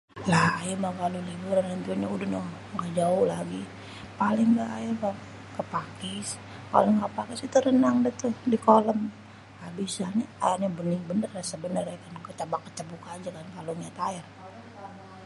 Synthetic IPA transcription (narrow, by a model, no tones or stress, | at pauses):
lahajamakalolibuɾanant̪uaɲaudahnoh | ŋɡaʔd͡ʒaʊhlaɡi | palɪŋɡaʔajama | kəpakɪs | pa̰lɪŋɡapakɪsit̪uɾənaŋdaht̪ʊhdikoləm | abisaɲaa̰jarɲabənɪŋbənərasabənərakankət͡ʃabakːə̥t͡ʃabukad͡ʒakankaloŋiat̪aɛr